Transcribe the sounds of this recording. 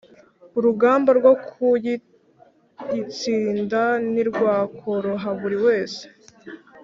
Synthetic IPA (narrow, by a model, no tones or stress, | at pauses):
uɾuɡaːmbaɾɡwokʰuji | jit͡siːndaniɾɡwaːkʰo̞ɾo̞ɦaβuɾiwe̞ːse̥